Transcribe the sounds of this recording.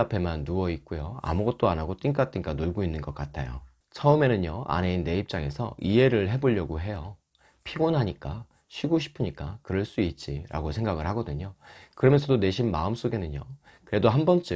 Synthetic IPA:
apʰe̞manːuʌit̚k͈ujoa̰muɡʌt̚t͈oanɦaɡot͈iŋk͈at͈iŋk͈anoɭɡoinːɯnɡʌk͈atʰajo̰ | t͡ɕʰʌɯme̞nɯɲjʌa̰ne̞inːe̞ip̚t͡ɕ͈aŋe̞sʰʌie̞ɾɯɭɦe̞boʎːʌɡoɦe̞jʌ | pʰiɡonɦaɲik͈a | ɕʰiɡoɕʰi̥pʰɯɲik͈akɯɾʌɭs͈uit̚t͡ɕ͈iɾʔa̰ɡosʰe̞ŋɡaɡɯɭhaɡʌdɯɲokɯɾʌmjʌnsʰʌdone̞ɕʰimmaɯms͈oɡe̞nɯɲjo | kɯɾe̞doɦambʌnt͡ɕ͈ɯ

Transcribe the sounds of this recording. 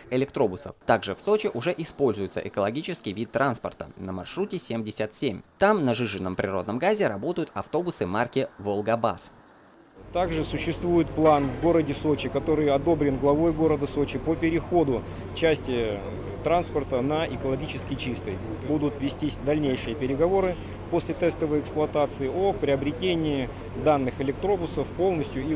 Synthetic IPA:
ɪlʲɪk̚t̪ɾo̞bʊsə̰ft̪aɡʐɨfso̞t͡ɕɪʔʊʐɛʔɪspo̞lʲzʊjɪt̪sə̰ʔɪkəlˠɐɡʲit͡ɕɪskʲɪjvʲit̪ːɾanspərt̪ə̰nəmɐ̰rʂɾutʲɪsʲemdʲɪsʲət̪sʲemʲt̪amnəʐɨʐɨnːəmpɾʲɪro̞d̪nəmɡazʲɪɾɐbo̞t̪əjʊt̪ɐft̪o̞bʊsɨmarkʲɪvolˠɡɐba̰s | t̪aɡʐɨsʊɕːɪst̪vujɪt̪plˠanvɡo̞ɾədʲɪso̞t͡ɕɪkɐt̪o̞ɾɨjɐd̪o̞bɾʲɪnɡlˠɐvo̞jɡo̞ɾəd̪əso̞t͡ɕɪpəpʲɪɾʲɪxo̞d̪ʊ | t͡ɕæsʲtʲɪ | t̪ɾanspərt̪ənəʔɪkəlˠɐɡʲit͡ɕɪskʲɪt͡ɕist̪ə̰jbud̪ʊt̪vʲɪsʲtʲisʲd̪ɐlʲnʲejʂɨjəpʲɪɾʲɪɡɐvo̞ɾɨ | po̞sʲlʲɪt̪ɛst̪əvəjɪksplˠʊɐt̪at̪sɨɪopɾʲɪəbɾʲɪtʲenʲɪɪ | d̪anːɨxɪlʲɪk̚t̪ɾo̞bʊsəfpo̞lˠnəsʲtʲjʊi

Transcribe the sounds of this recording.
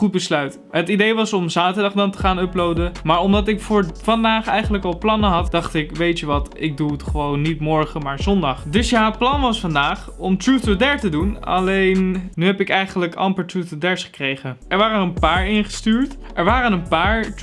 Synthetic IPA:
χud̚bəslœɥt | ɦətidejʋɑsɔmzaːtəɹdɑχdɑntə̥χaːnɔplowdəmaːɹɔmdɑtɪkfʊːɹfɑndaːχɛjχənləkɑlˠplɑnəɦɑtd̥ɑχtɪkʋejtyʋɑtɪɡ̚duətχəʋownːitmɔɹχəmaːɹzɔndɑχdɵsjaːplɑnʋɑsfɑndaːχ | ɔmtɹutɔdɛɹtədunɑ̰lejnnyɦɛpɪkɛjχənələkɑ̰mpətɹutɔdɛɹsχə̥krejχənɛɹʋaːrənənpaːɹɪnχə̥styːɹt | ʔɛɹʋaːrənənpaːɹt

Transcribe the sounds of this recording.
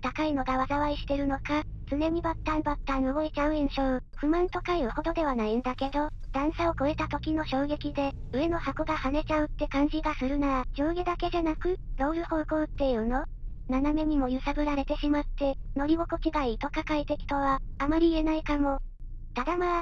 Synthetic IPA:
t̪akaino̞ɡaβazaβaiɕi̥t̪e̞ɾɯ̟no̞kat͡sɨne̞m̟ibat̪ːãnbat̪ːanobo̞et͡ɕaɯẽɰ̃ɕoɯɸɯ̟mãnt̪o̞kaiɯho̞d̪o̞d̪e̞βanaĩnd̪ake̞d̪o̞ | d̪̥ãɰ̃saoko̞e̞t̪at̪o̞kʲino̞ɕo̞ːɡe̞kʲid̪e̞ | ɯ̟e̞no̞hako̞ɡahane̞t͡ɕaɯ̟t̪ːe̞kãɲ̟d͡ʑiɡasɨɾɯ̟naad͡ʑo̞ːɡed̪ake̞ʑanakɯ̟d̪o̞ːɾɯ̟ho̞ːko̞ːt̪ːe̞iɯ̟no̞ | naname̞ɲ̟imo̞jɯ̟saɡɯ̟ɾaɾe̞t̪e̞ɕimat̪ːe̞no̞ɾʲibokokʲiɡait̪o̞kakait̪e̞kʲi̥t̪o̞βaːmaɾʲiːe̞naikamo̞ | t̪ad̪ama

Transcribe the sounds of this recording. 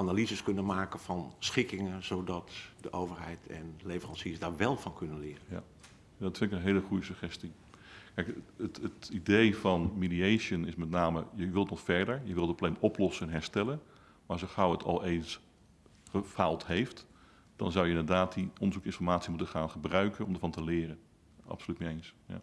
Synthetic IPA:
ʔanalizəskɵnənmaːkənfɑnsχɪkɪŋənzowdɑtdəʔowvəɹɦɛjtʰɛ̰nlejvərɑnsiəsdaːɹʋɛlˠfɑnkɵnənlɪːrə | dɑtfɪnɪkənɦeːləχujəsəχɛsti | kɛjkətətidejfɑnmidiejʃənɪsmɛtnaːmə̰jəʋɪlˠətnɔχfɛɹdəɹjəʋɪlˠdət̚poblemɔplɔsənɛnɦɛɹstɛlən | maːɑsjəχɑwətʰɑ̰lˠejns | χəfaːlˠtɦejft | d̥ɑ̰nzʌwjəɪndəɹdaːt̚diʔɔndəzukɪnfɔɹmaːtsimutəχaːnχəbrœɥkənɔmdəɹvɑntəlɪːrən | ʔɑ̰psolytniejnsja̰

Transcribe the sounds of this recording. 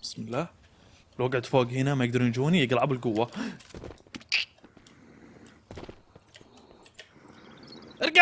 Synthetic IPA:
bɪsmɪlːaː | lwaɡaʕt̪foːɡhɪnamajɪɡ̚d̪ɑɾˤnd͡ʒuːnijɪɡlʕabɪlɡʊwːa | ʔɾɡ

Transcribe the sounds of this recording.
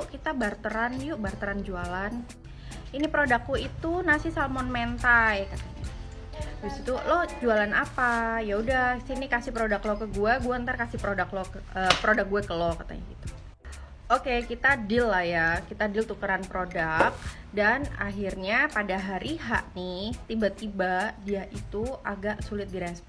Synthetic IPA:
kit̪abart̪əɾanjuʔbart̪əɾand͡ʒualan | inipɾodakːuit̪unasisalmɔnment̪ajkat̪aɲa̰ | ɡusit̪ulɔd͡ʒualanapajaudasinikasihpɾodaklɔkəɡuɛɡuaənt̪arkasɪpɾodaklɔəpɾodak̚ɡuakəlɔkat̪a̰ɲa̰ɡit̪u̥ | okekit̪adɪlːahjakit̪adɪlt̪ukəɾanpɾodak̚ | dana̰ɦirɲapadaɦaɾiɦaʔnɪt̪ibat̪ibadiaʔit̪uaɡaʔsulɪt̪̚diɾɛsp

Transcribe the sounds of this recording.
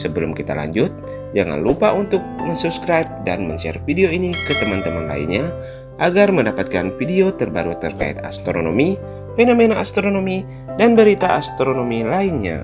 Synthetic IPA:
səbəlʊmkit̪a̰la̰ɲd͡ʒʊt̪̚ | d͡ʒaŋa̰nlupaunt̪ʊk̚məŋsubskɾap̚danməɲsia̰rfideoinikət̪əmant̪əmanla̰ḭnɲa | ʔaɡarməndapat̪̚kanfideot̪ərba̰ɾut̪ərka̰ḭt̪a̰st̪ɾono̰mi | fenomenaʔast̪ɾonomi | danbəɾit̪aʔast̪ɾonomilainɲa̰

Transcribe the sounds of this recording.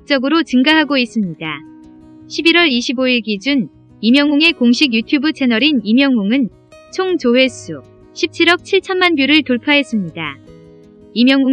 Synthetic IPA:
k̚t͡ɕ͈ʌɡɯɾot͡ɕɯŋɡaɦaɡois͈ɯmɲida | ɕʰibiɾwʌɾiɕʰiboiɭɡid͡ʑun | imjʌŋuŋe̞koŋɕʰiɡjutʰjubut͡ɕʰe̞nʌɾinimjʌŋːuŋɯn | t͡ɕʰoŋt͡ɕowe̞s͈ʰu | ɕʰip̚t͡ɕʰiɾʌk̚t͡ɕʰiɭt͡ɕʰʌnmanbjuɾɯɭtoɭpʰaɦe̞s͈ɯmɲida | imjʌŋu

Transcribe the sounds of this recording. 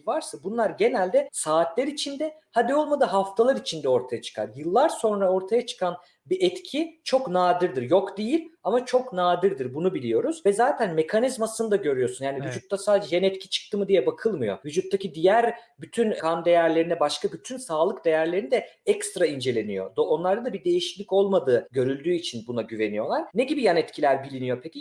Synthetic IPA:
vaɾsabunlˠaɾɟe̞nælʲd̪ɛsaːt̪ʰlʲeɾit͡ʃʰind̪ɛhad̪io̞lˠmad̪ɯɦaft̪ʰalˠaɾit͡ʃʰind̪ɛo̞ɾt̪ʰajat͡ʃʰɯ̥kʰa̰ɾjɯlˠːaɾso̞nɾao̞ɾt̪ʰajat͡ʃʰɯ̥kʰan | biʔɛt̪cʰit͡ʃʰo̞knaːd̪ɯɾd̪iɾjokd̪ejilʲamat͡ʃʰo̞knaːd̪ɯɾd̪ɯɾbunubilʲijo̞ɾuzvɛzaːt̪ʰænme̞kʰanizmasɯnɯd̪aɟø̞ɾyjo̞ɾsunjaːnivyd͡ʒut̪ːasaːd̪ed͡ʒɛjenɛt̪cʰi̥t͡ʃʰɯ̥k̚t̪ʰɯmɯd̪ijɛbakʰɯlˠmɯjo̞̰vyd͡ʒut̪ʰːacid̪ijæɾbyt̪ʰynkʰand̪e̞jæɾlʲeɾinɛbaʃkʰabyt̪ʰynsaːlˠɯkd̪e̞jæɾlʲeɾinid̪ɛɛkst̪ɾaind͡ʒe̞lʲe̞nijo̞̰d̪onlˠaɾd̪ad̪abid̪e̞jiʃi̥clʲico̞lˠmad̪ɯːɟø̞ɾylʲd̪yːit͡ʃʰinbunaɟyve̞nijo̞lˠaɾneɟibijanɛt̪cʰilʲæɾbilʲinijo̞pʰecʲi

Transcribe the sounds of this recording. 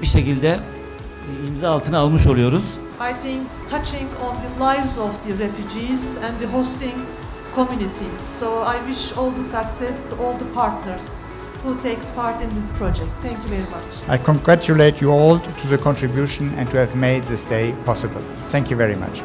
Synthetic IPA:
biʃe̞cilʲd̪ɛ | imzaalˠt̪ʰɯnalˠmɯʃo̞lˠujo̞ɾuz̥ | ajt̪ʰɪ̃ŋkt̪ʰat͡ʃɪ̃ŋɔ̃nd̪ɨlˠajvzɔvd̪ɨɾɛfjud͡ʒizɛ̃nd̪ɨɦost̪ɪ̃ŋ | kʰomjunit̪ʰiz̥soajwɪʃɔlˠd̪əsaksɛstʰuʔɔːlˠd̪əpʰaɾt̪nəɾz̥ | hut̪ʰejkspʰaɾt̪ɪ̃nd̪ɪspʰɾɔd͡ʒɛk̚t̪ʰːɛ̃ŋkjuvɛɾimat͡ʃ | ajkʰɔ̃ŋɡɹæt͡ʃuleɪtʰjuɔlˠtʰuðəkʰɔ̃ntɹibjuʃə̃nɛ̰̃ntʰuævmeɪd̪̚ðɪsdeɪpʰɔsəbə̰l̩ˠ | θæ̃ŋkjuvɛɹima̰t͡ʃ

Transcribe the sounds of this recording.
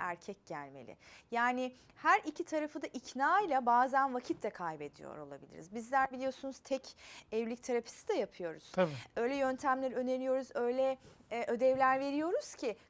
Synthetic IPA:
æ̰ɾcʰɛc̚ɟælʲmḛlʲɪ̰jaːnɪ | hæɾʔicʰit̪ʰaɾafɯd̪aʔicʰnaːjlˠabaːzænvacʰit̪ʰlʲɛkʰajbe̞d̪ijo̰ɾo̞lˠa̰bilʲḭɾizbizlʲæɾbilʲijo̞sunuz̥t̪ʰɛcɛvlʲicʲt̪ʰaɾapʰi̥sid̪ɛjapʰɯjo̞ɾuz̥ʰø̞jlʲɛjø̞nt̪ʰæmlʲæɾø̞neɾijo̞ɾuzø̞jlʲɛʔød̪ɛvlʲæɾve̞ɾijo̞ɾuz̥cʰi

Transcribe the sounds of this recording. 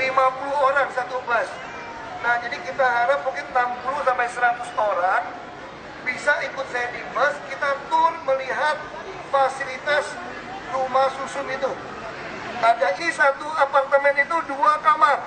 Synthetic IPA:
limapuluhoɾaŋsat̪ubas | nahd͡ʒadikit̪aɦaɾap̚bukɪnnampulusampajsəɾat̪ʊsoɾaŋ | bisaikʊt̪̚sajadifəskit̪at̪ʊrməliɦat̪̚ | fasilit̪as | rumasusʊt̪it̪u | adaʔisat̪uapart̪əmɛnit̪uduakamar

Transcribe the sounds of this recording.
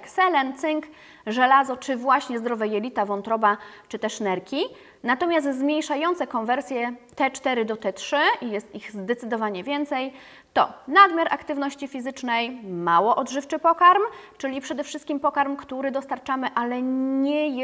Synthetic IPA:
ksɛlɛnt̪sɘŋk | ʐɛlazɔt͡ʂɘvwaɕɲɛzd̪ɾɔvɛjɛlʲit̪avɔnt̪ɾɔbat͡ʂɘt̪ɛʂnɛɾkʲi | nat̪ɔmʲjast̪zmʲjejʂajɔnt̪sɛkɔnvɛɾsʲjɛt̪ɛt͡ʂt̪ɛɾɘd̪ɔt̪ɛtʂɘʔijɛst̪iɣzd̪ɛt̪sɘd̪ɔvaɲɛvʲjɛnt̪sɛj | t̪ɔnad̪mʲjaɾʔa̰kt̪ɘvnɔɕt͡ɕifʲizɘt͡ʂnɛjmawɔʔɔd̪ʐɘft͡ʂɘpɔkaɾmt͡ʂɘlʲipʂɛd̪ɛfʂɘst̪kʲimpɔkaɾmkt̪uɾɘd̪ɔst̪aɾt͡ʂamɘʔalɛɲɛj

